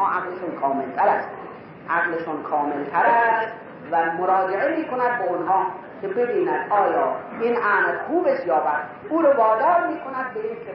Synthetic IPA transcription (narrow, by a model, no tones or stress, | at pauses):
ɑːʔaɣleʃʊnkʰɒːmelt̪ʰæɾæst̪ | ʔæɣleʃʊnkʰɒːmelt̪ʰæɾæsst̪ | væmoɾɒːd͡ʒeʕemiːkʰonæd̪̚beonɦɒː | kʲʰebe̞biːnæd̪ɒːjɒːinʔæːnxuːbesjɒːbæd̪ | uːɾovɒːd̪ɒːɾmiːkʰonæd̪̚beiːnkʲʰe